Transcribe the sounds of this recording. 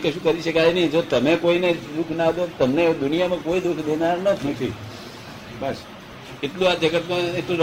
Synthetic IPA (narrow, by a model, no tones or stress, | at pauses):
keʃũkəɾiʃəkajnəĩd͡ʒ̪ot̪əmekoined̪ukʰnad̪ot̪əmned̪unijamãkoid̪ukʰd̪enaɾnət̪ʰt̪ʰi | bəs | et̪lũad͡ʒəɡət̪mãetlũɾ